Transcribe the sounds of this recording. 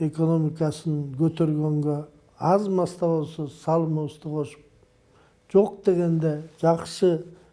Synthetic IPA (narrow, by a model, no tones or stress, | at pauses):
e̞ko̞no̞mikɑsənkʲʰɵt̪eɾɡʲe̞ŋɡʲe | ɑzmɑst̪ɑβo̞lˠsosɑlˠmoəst̪əqʰo̞ʃə̥p̚ | ʒ̥o̞q̚d̪e̞ɡʲe̞nd̪eʒɑqsə